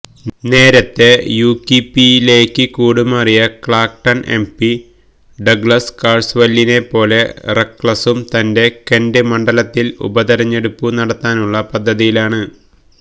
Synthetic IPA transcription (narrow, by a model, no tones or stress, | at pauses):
ne̞ːɾɐt̪ːe̞juːkːipːiile̞ːkʲːɨkuːɽumɐrijɐkɭaːk̚ʈɐnʔe̞̰mpi | ɖɐɡɭɐskaːrsʋɐlːine̞pːo̞ːle̞rekːɭɐsumt̪ɐnde̞kendɨmɐɳɖɐlɐt̪ːilṵbɐðɐɾɐɲːe̞ɽupːunɐɽɐt̪ːaːnuɭːɐpɐd̪ʱːɐðijilaːɳɨ